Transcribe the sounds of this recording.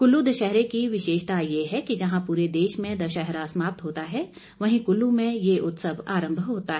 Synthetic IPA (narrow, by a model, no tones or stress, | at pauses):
kʊlːud̪əʃɛɦɾekiʋɪʃeːʃt̪ajeɦɛkid͡ʒɐɦãpuːɾed̪eːʃmẽd̪ɐʃɐɦɾasmaːp̚t̪ɦoːt̪aɦɛ | ʋɐɦĩkʊlːumẽjeʔʊt̪səʋaːɾə̃mbʱɦoːt̪aɦɛ